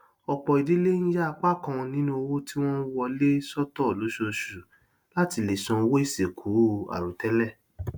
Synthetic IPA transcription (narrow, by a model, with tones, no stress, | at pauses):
ɔ˨k͡pɔ˨i˨di˨˦le˦ñ̩˦ja˦a˨k͡pa˦kã˧ɔ̃˧nĩ˦nũ˦o˧wo˦ti˦w̃ɔ̃˦n̩˦wɔ˧le˦sɔ˦tɔ˦˨lo˨˦ʃo˧˨ʃu˨ | la˦ti˧le˨sɔ̃˨˧wo˦i˦˨se˨kʰu˨˦˨a̰˨ɾu˨tɛ˨˦lɛ˦˨